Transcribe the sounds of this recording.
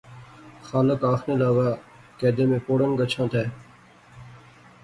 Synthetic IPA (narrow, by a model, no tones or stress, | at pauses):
xaːləkaːxneːlaːʋaː | kɛːd̪eːmẽːpoːɽənɡət͡ʃʰãːt̪ʰɛː